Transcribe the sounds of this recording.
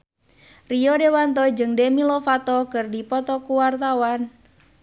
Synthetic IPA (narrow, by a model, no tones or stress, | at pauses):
rijɔdewant̪̬ɔd͡ʒɨŋdemilɔfat̪ɔkɨrdipɔt̪ɔkuwart̪awan